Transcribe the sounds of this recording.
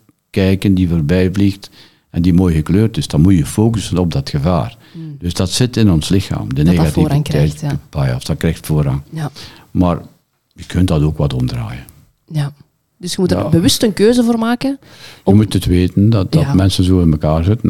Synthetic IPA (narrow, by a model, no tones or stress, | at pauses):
kɛjkəndivoːrbɛjvlixt | ɛndimoːjɣəkløːrtɪsd̥ɑnmutjəfoːkəsənɔb̚dɑtxəva̰ːr | d̥ɵsdɑtsɪtɪnɔnslɪxa̰ːmdəneːɣatiɾŋɛjpajɔfd̥ɑkrɛxtfoːɾɑŋ | maːr | jəkʰɵntdɑtoːkʋɑtɔmdra̰ːjən | dɵsxəmutbəʋʏstənkøːzəvoːrmaːkən | jəmutətʋeːtəndɑdɑtmɛnsənzoːɪnməkaːrzɪtən